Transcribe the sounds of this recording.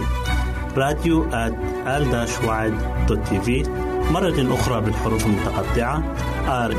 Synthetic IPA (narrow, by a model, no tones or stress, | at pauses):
ɾˤɑːd̪juʔat̪ | ʔald̪aːʃwaːʕɪd̪ | d̪̥ot̪ːiːviː | mɑrˤːɑt̪ʔʊxɾˤɑbɪlħʊɾuːfalmʊt̪ɑqɑd̪ːɪʕa | ʔɑːɾ